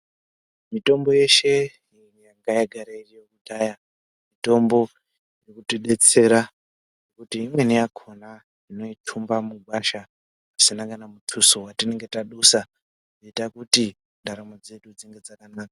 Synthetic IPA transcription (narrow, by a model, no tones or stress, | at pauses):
mito̞mbo̞je̞ʃe̞ | jaŋɡajaɡʱaɾairijokudʱaja | mito̞mbo̞ | rekutiɗe̞t͡se̞ɾa | nokutiːmwenijakʰo̞na | ino̞itʰumbamuɡʱwaʃaː | sinakanamutʰusowatine̞ŋɡe̞taɗusa | noitakuti | ndaɾamod͡ze̞ɗud͡ziŋɡe̞d͡zakanaːkḁ